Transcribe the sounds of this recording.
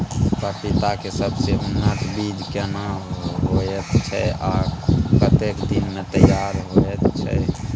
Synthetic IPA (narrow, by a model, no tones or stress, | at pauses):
pəpit̪akesəbseɦʊnːət̪ʰbid͡ʒʱkenaɦojɛtt͡ʃʰɛʔakpɾət̪ekd̪inmet̪əjaːɾɦoett͡ʃʰɛ